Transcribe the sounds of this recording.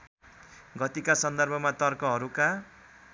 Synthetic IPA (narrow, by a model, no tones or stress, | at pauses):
ɡʌt̪ikasʌnd̪ʌrbʱʌmat̪ʌrkʌɦʌɾuka